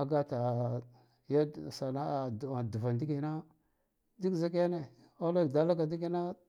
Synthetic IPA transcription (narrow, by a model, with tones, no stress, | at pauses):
a˨ɡa˦ta˨ | ja˦˨sa˨na˦˨a˨du˨va˨ndi˦ɡi˨na˦ | di˦kza˦ka˦ne˨ | a˦la˦˨da˨la˦ka˨di˦ki˦na˦